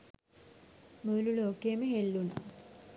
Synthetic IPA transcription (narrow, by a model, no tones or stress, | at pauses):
məːluloːkejəməɦelːuna̰